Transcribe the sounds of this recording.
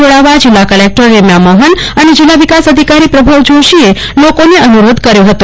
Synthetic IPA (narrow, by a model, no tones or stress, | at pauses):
oɭaʋad͡ʒilːakəlek̚ʈəɾːemjaməɦənəned͡ʒilːaʋikasəd̪ʱikaɾipɾəbʱaʋd͡ʒoʃie | lokoneənuɾod̪ʱkəɾjoɦət̪o